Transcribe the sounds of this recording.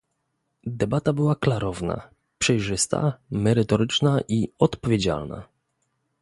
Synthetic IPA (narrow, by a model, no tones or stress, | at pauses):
d̪ɛbat̪abɘwaklaɾɔvna̰ | pʂɛjʐɘst̪a̰mɛɾɘt̪ɔɾɘt͡ʂnaʔiɔt̪pɔvʲjed͡ʑa̰lna̰